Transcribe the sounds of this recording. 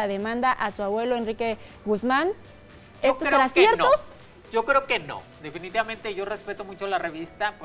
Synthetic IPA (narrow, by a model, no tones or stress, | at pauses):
aðe̞mãnd̪aʔasuaβwe̞loenrike̞ | ɣuzman | est̪osseɾasje̞ɾo | ʝokɾeokeno̰d̪e̞finit̪iβament̪e̞ʝo̞respe̞t̪omut͡ʃo̞lareβist̪ap